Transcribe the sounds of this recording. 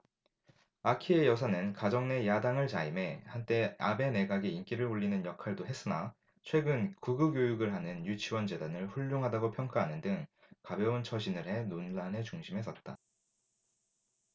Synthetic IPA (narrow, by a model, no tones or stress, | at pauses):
akʰie̞jʌs̬ʰanɯnkad͡ʑʌŋne̞jadaŋɯɭt͡ɕaime̞hant͈e̞abe̞ne̞ɡaɡiink͈iɾɯɭuɭːinɯnjʌkʰaɭdoɦe̞s͈ɯna | t͡ɕʰwe̞ɡɯnkuɡɯɡjojuɡɯɭɦanɯnjut͡ɕʰiwʌnd͡ʑe̞danɯɭɸuʎːoŋɦadaɡopʰjʌŋk͈aɦanɯndɯŋ | kabjʌunt͡ɕʰʌɕʰinɯɾɦe̞nonlane̞t͡ɕuŋɕʰimɦe̞s͈ʌt̚t͈a